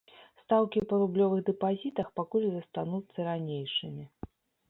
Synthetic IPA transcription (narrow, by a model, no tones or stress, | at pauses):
st̪awkʲipɐɾublʲɔvɨɣd̪ɛpazʲit̪ɐxpakulʲzɐst̪anut̪sːɐɾanʲejʂɨmʲi